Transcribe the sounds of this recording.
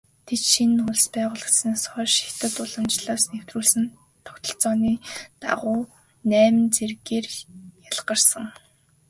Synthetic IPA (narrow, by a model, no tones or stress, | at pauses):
t̪ʰet̪ʃinʊɮspæːʁʊːɮə̆t͡ssɘ̆nsχœːʃi̥xt̪ə̆t̪ʊɮə̆mt͡ɕɮaːsnew̥t̪ruːɮsɘ̆n | t̪ʰːʊ̥kt̪ə̆ɬt͡sɔːniːt̪a̰ʁʊː | næːm̆nt͡serɣeːrjaɮɢə̆rsə̆ŋ